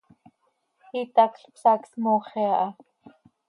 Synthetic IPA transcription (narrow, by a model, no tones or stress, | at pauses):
it̪ɑkɬpsɑksmoːχeɑʔɑ